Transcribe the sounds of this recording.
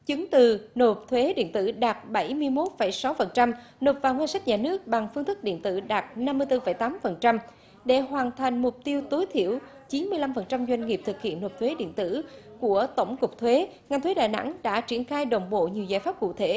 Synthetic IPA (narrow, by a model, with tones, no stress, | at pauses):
t͡ɕɨ˨˦ŋt̪ɨ˨˩no˨˩t̚t̪ʰwe˨˦ɗḭ˧˨ənt̪ɨ̰˧˩ɗaː˨˩t̚ɓə˧˩jmɨ˧əjmo˦˥t̚fə˧˩jsa˨˦wfə˨˩nt͡ɕa˧m | no˨˩t̚vaː˨˩wŋwaː˧nsa˦˥k̚ɲaː˨˩nɨ˦˥ək̚ɓa˨˩ŋfɨ˧əŋt̪ʰɨ˦˥k̚ɗḭ˧˨ənt̪ɨ̰˧˩ɗaː˨˩t̚na˧mːɨ˧t̪ɨ˧fə˧˩jt̪aː˨˦mfə˨˩nt͡ɕa˧m | ɗe˧˩ɦwaː˨˩nt̪ʰa˨˩jŋ̟mʊ˨˩k͡p̚t̪i˧əwt̪o˨˦jt̪ʰḭ˧˨əw | t͡ɕi˨˦nmɨ˧əla˧mfə˨˩nt͡ɕa˧mzwa˧jŋ̟ŋi˨˩əp̚t̪ʰɨ˨˩k̚hḭ˧˨ənːo˨˩p̚t̪ʰwe˨˦ɗḭ˧˨ənt̪ɨ̰˧˥˩ku˧˩ət̪ə˧˩wŋ͡mkʊ˨˩k͡p̚t̪ʰwe˨˦ŋa˨˩ŋt̪ʰwe˨˦ɗa̰ː˧˨jna̰˧˥ŋɗa̰ː˧˥t͡ɕi˧˩ənxaː˧jɗə˧˩wŋ͡mɓo̰˧˨ɲi˨˩əwza̰ː˧˩jfaː˦˥p̚kṵ˧˨t̪ʰe˧˩